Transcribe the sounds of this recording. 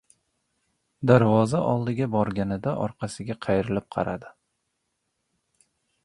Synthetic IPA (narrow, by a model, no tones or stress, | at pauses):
d̪aɾvɒzaʔɒlˠd̪ɪɡʲabɒɾɡʲanɪd̪aʔɒ̰ɾqʰɑsɪɡʲaqʰɑjɪɾɪlɪp̚qʰɑ̰ɾad̪ɪ